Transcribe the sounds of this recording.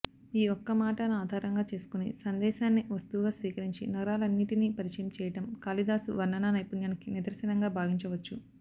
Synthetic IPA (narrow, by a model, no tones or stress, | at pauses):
iːɔkːɐmaːʈɐnuaːd̪ʱaːɾɐŋɡaːt͡ʃe̞ːsu̥kunḭsɐnd̪ɛːʃaːnːiʋɐst̪uʋːɡaːsʋiːkɐɾiɲt͡ʃinɐɾaːlɐnːiʈiniːpɐɾit͡ʃɐjɐmt͡ʃɛːjɐʈɐmkaːlid̪aːsuʋɐnɐnaːnɐjpunjɐːnɐkinid̪ɐɾsɐnɐŋɡaːbʱaːʋiɲt͡ʃɐʋɐt͡ʃːu